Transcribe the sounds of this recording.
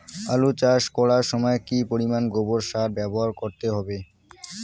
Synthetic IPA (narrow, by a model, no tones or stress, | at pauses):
alut͡ɕaʃkɔɽaɾʃɔmɔekipoɾimanɡoboɾʃaɾbɛboɦaɾkoɾt̪eɦɔbe